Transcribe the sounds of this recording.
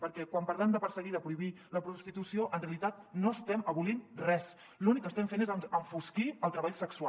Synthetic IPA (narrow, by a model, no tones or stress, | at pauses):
pəɾkɛkwampəɾðɛmd̪əpəɾsəɣiðəpɾuiβi | ləpɾust̪it̪usioʔənreəlit̪at̪̚noəst̪ɛməβulinrɛs | lunikːəst̪ɛɱfenezəəɱfuskiəlˠt̪ɾəβaʎsəksua